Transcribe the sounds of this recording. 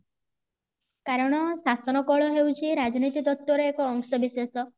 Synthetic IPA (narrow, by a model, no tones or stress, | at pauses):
kaɾɔɽ̃ɔsasɔnɔkɔɭɔɦewt͡ʃʰiɾad͡ʒɔnit̪id̪ɔt̪ːɔɾeekɔːŋsɔbisesɔ